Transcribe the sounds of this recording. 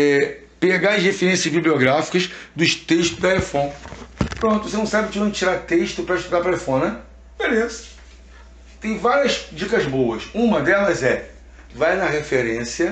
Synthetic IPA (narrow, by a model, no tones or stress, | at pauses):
ɛ | peɡaɐzhefeɾẽsjɐzbiblioɡɾafi̥kɐʃd̪ʊʃt̪eʃt̪ʊzd̪ɐefõpɾõnt̪ʊvsenɐ̃w̃sabɪʊt͡ʃivõd͡ʒɪt͡ʃiɾaɾt̪eʃt̪ʊpɾɐiʃt̪ud̪apɾɐefõnɛ | belezɐ̥ | t̪ẽj̃vaɾiɐzd͡ʒikɐzbowɐʃũmɐd̪ɛlɐzɛ | vajnɐɦefeɾẽsiɐ